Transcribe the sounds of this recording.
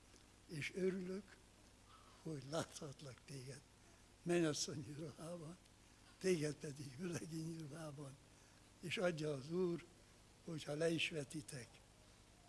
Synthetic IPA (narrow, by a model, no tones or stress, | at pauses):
eːʃøɾyløk | ho̞ɟlaːt̪hɒt̪lɒkt̪eːɡɛd̪̥ | mɛɲɒsːoɲːurohaːbɒn | t̪eːɡɛt̪pɛd̪iɡølɛɡiɲulɦaːbɒn | eːʃɒɟːɒːzuːr | ho̞chɒlɛiʃʋɛt̪it̪ɛk